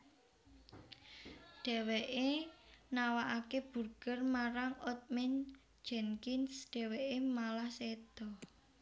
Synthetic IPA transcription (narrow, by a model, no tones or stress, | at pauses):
ɖ̪̥ɛ̤weʔenawaʔakeb̥ṳrɡ̥ərmaɾaŋɔt̪̚mɪn̥ | d͡ʒɛŋkɪnsɖ̪̥ɛ̤weʔemalahsed̪̥ɔ